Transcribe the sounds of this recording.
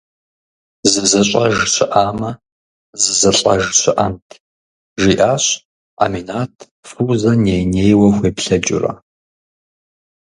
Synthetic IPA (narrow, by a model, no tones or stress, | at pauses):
zɨzɐɕʷʼɐʒɨɕʰʷɪʔaːmɐ | zɨzɐɬʼɐʒɨɕʷɪʔɐmtʰ | ʒiːʔaːɕ | a̰ːminaːtʰ | fuzɐnejneːjwɐxʷeːpɬɐd͡ʒʼʊ̰rɐ̰